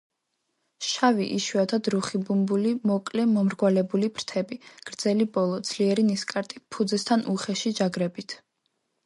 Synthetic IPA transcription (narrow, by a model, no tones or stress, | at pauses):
ʃavḭʔiʃwad̪ʰad̪ɾuχibumbulimɔkʼlɛmɔmɾɡwalɛbulibɾt̪ʰɛbiɡ̥ɾd̪z̥ɛlibɔlˠɔd̪z̥liɛɾiniskʼaɾt̪ʼipʰud̪zɛst̪ʰanʔuχɛʃid͡ʒaɡɾɛbit̪ʰ